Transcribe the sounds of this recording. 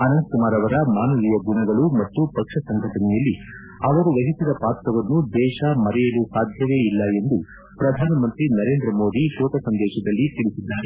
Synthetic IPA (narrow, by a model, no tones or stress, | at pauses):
ɐnɐnd̪̚kumaːɾɐʋɐɾɐmaːnɐlijɐɡuɳɐɡɐɭumɐt̪ːupɐkʂɐsɐŋɡʱɐʈɐnɛjɐlːi | ɐʋɐɾuʋɐɦisid̪ɐpaːɾt̪ːɐʋɐnːud̪ɛːʃɐmɐɾɛjɐlusaːd̪ʱjɐʋe̞ːilːɐe̞nd̪u | pɾɐd̪ʱaːnɐmɐnt̪ɾinɐɾeːnd̪ɾɐmo̞ːd̪iʃɔːk̪ɐsɐnd̪ɛːʃɐd̪ɐlːit̪iɭisid̪ːaːɾe